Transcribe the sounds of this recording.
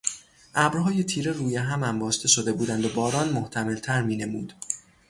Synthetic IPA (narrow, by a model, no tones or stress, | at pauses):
ʔæbɾɦɒːjet̪ʰiːɾeruːjeɦæmæmbɒːʃt̪e̞ʃod̪e̞buːd̪ænd̪obɒːɾɒːnmoht̪ʰæme̞lt̪ʰæɾmiːne̞muːd̪̥